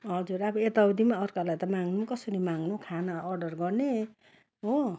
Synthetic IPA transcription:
ɦʌd͡zuɾabʌet̪awd̪imaʌrkalajt̪ʌmaŋnukʌsʌɾimaŋnukʰanaːrɖʌrɡʌrne | ɦo

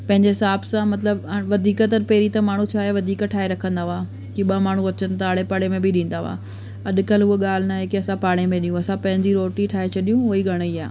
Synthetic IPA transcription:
pɐ̃ɦɪ̃ɲ̆d͡ʑeɦɪsaːbsãmɐt̪̬ləbʋɐd̪ʱiːkət̪ɐɾpeːɾit̪ɐmaːɳ̤ũt͡ɕʰaːɦeʋɐd̪ʱiːkʈʰaːeɾɐkʰə̃nd̪aɦaː | kiɓɐmaːɳ̤ũɐt͡ɕənɪ̆t̪aːɽepɐɽemẽbɪɗĩːn̆d̪aʋoa̰ː | ɐɗ̆kɐlɦueɠaːl̤ɪnaːɦekiɐsãpaːɽ̃emẽɗijũɐsãpɐ̃ɦɪ̃ɲd͡ʑiɾoːʈiʈʰaːet͡ɕʰɐɗijũʊiɡʱɐɽ̃əiaː

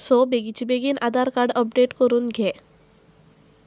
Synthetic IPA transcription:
sɔbeɡit͡ɕibeɡiːnʔad̪aɾkaɾɖəp̚ɖeʈkəɾuːnɡʱe

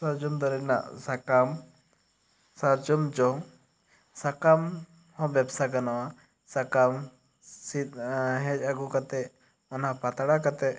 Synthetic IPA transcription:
saɾd͡ʒɔmd̪ɔɾɛna̰ʔsakam | saɾd͡ʒɔmd͡ʒɔŋ | sakam | hɔ̃bjabsakanɔwa | sakam | sit̪̚ɦɛ̃d͡ʒaɡukat̪ɛ | ɔnɦapat̪aɽakat̪ɛ

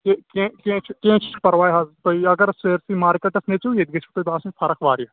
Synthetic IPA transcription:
kekẽkẽːt͡ʃʰkẽːt͡ʃʰpɐɾʋaːjɦazt̪oiɐɡɐɾseːɾsimaːɾikɐʈɐsnet͡ʃujeːd̪ɡɐt͡ʃʰt̪ob̪ãːsipʰɐɾɐkʰʋaːɾija

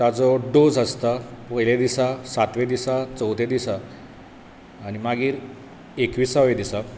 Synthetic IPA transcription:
t̪at͡sɔɖod͡zəst̪apəjled̪isasat̪ʋed̪isat͡səwt̪ed̪isa | ñimaɡiːɾ | ekʋiːsaʋed̪isa

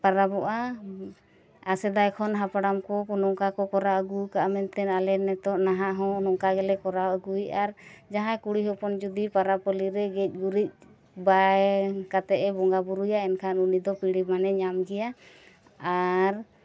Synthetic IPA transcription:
paɾabɔʔa | asɛd̪ajkʰɔnɦapaɽamkɔɔnɔŋkakɔkɔɾaəɡukaʔamɛnt̪ɛnalɛnːɛt̪ɔʔnaɦaʔɦɔ̃nɔŋkaɡɛlɛkɔɾawəɡujaɾd͡ʒaɦãkuɽiɦɔpɔnd͡ʒud̪ipaɾapɔliɾɛɡɛc̚ˀɡuɾic̚ | bajkat̪ɛʔɛbɔŋɡabuɾujaɛnkʰanunid̪ɔpiɽimanɛɲamɡɛja | aɾ

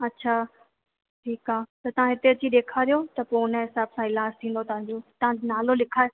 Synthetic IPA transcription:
ɐtːɕʰaː | ʈʰiːkaːt̪ɐt̪ɐʋ̤ãɦɪt̪eət͡ɕiɗ̪eːkʰaɾijot̪ɐponəɦɪsaːbsãɪlaːst̪ʰĩːn̆d̪ot̪ɐʋ̤ãɲd͡ʑoːt̪ɐʋãd͡ʑnaːlolɪkʰaːe

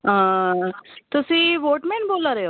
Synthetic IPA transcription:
ɦã | t̪usiʋoʈmeɳʈbolaɾjo

